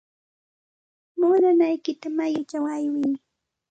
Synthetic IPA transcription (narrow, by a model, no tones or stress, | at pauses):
mʊnanajkɪt̪amajʊt͡ʃaŋajwɪŋ